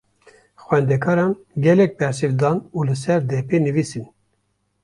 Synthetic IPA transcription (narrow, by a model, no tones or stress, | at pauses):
xwɛnd̪ɛkʰɑːɾɑːn | ɡʲɛlɛk̚bɛɾsɨvd̪ɑːnuːlɨsɛɾd̪ɛpeːnɨvisɨn